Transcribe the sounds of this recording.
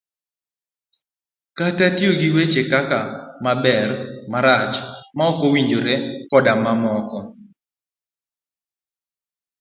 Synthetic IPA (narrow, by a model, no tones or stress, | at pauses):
katatjoɡiwet͡ʃekakamabɛrmaɾat͡ʃmaɔkowiɲd͡ʒoɾekɔdamamɔkɔ